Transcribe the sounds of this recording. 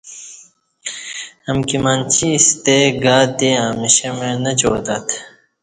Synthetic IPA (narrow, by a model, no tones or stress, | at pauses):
ɐmkimant͡ɕʰist̪eɡaːd̪iaːmiɕɐmenɐd͡ʑoːd̪at̪ʰ